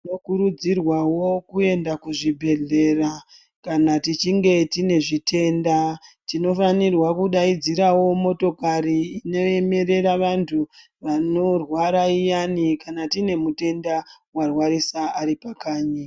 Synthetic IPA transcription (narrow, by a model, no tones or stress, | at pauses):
nokuɾud͡zirwawo̞kue̞ndakuʐibʱe̞ɮe̞ra | kanatit͡ʃiŋɡe̞tine̞ʐitʰe̞ːndatino̞fanirwakuɗaid͡ziɾawo̞mo̞to̞kaɾiːno̞e̞me̞ɾe̞ɾaʋantʰu | ʋano̞rwaɾaijanikanatine̞mute̞nda | warwaɾisaːɾipakaːɲi